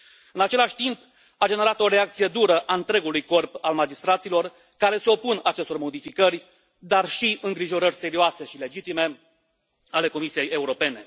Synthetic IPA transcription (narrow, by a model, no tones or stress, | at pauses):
ɨnat͡ʃe̞laʃʲt̪imp | ad͡ʒe̞ne̞ɾat̪o̞ɾe̞akt̪sije̞d̪uɾəʔaɨnt̪ɾe̞ɡulujko̞rpalmad͡ʒist̪ɾat̪silo̞r | kaɾe̞seo̞punat͡ʃest̪o̞rmo̞d̪ifikərʲ | d̪arʃiɨŋɡɾiʒo̞ɾərʲse̞ɾioase̞ʃile̞d͡ʒit̪ime̞ | ale̞ko̞misije̞je̞uɾo̞pe̞ne̞